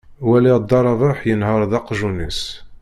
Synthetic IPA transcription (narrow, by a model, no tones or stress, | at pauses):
wælid̪ːɑɾˤɑvaħjənɦəɾˤðɑqʒunis